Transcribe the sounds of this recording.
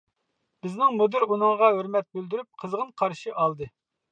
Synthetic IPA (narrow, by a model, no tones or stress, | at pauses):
bɪznɪŋmud̪yɾunɨŋʁɑɦøɾmɛt̪̚byld̪yɾyp̚qʰəzʁənqʰɑɾʃiʔɑlˠd̪ɨ